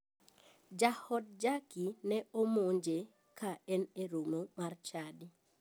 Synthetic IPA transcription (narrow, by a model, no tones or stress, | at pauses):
d͡ʒahɔd̚d͡ʒakinɛomoɲd͡ʒe | kʰaɛneɾomomart͡ʃadi